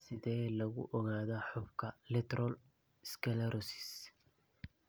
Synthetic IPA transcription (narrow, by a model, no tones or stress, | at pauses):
sɪðɛːlɐɣʊ̰ʔɔɣaːðaħʊbkʰɐlɛt̪ɾʔɔl | skʰɛlɐɾʔɔsɪ̥s